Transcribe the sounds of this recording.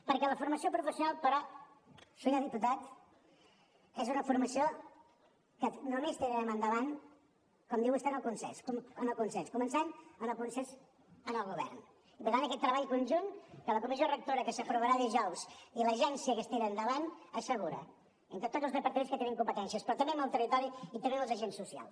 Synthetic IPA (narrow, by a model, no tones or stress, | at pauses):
pəɾkɛləfuɾməsiopɾufəsiunalˠpəɾɔ | suɲəðiput̪at̪ | ɛzunəfuɾməsio | kənumest̪inɾɛmənd̪əβan | kɔmd̪iwəst̪anəlˠkunsɛ̰nskumənəlˠkunsɛnskumənsanənəlˠkunsɛns | ənəlˠɣuβ̞ɛ̰rn | ipəɾt̪anəkɛt̪ːɾəβaʎkunʲʒunkələkumizorək̚t̪oɾəkəsəfɾuβəɾaðiʒɔwz̥iləʒɛnsiəkəst̪iɾəːnd̪əβanəsəɣuɾə̰ | ent̪ɾət̪od͡zəlˠzrəpəɾt̪əmenskət̪eniŋkumpət̪ɛnsiəspɾɔt̪əmbeməlˠt̪ərit̪ɔɾiit̪əmbeəlˠzəʒensːusia̰lˠs